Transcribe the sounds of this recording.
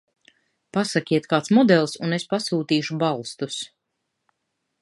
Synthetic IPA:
pasakʲiɛt̪kaːt̪smɔd̪ɛlˠsunespasuːt̪iːʃubalˠst̪us

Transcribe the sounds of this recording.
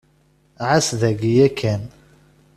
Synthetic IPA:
ʕasðæɡijækːæn

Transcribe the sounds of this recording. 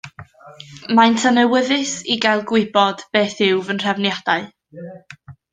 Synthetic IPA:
majntʰənəwəðɨsiɡajlˠɡwɪbɔd̥b̥eːθɪwvənr̥ɛvnjad̥aɨ

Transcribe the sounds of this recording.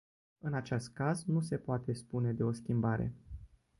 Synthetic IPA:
ɨnat͡ʃest̪̚kaznus̬e̞poat̪e̞spune̞d̪e̞o̞skʲimbaɾe̞̰

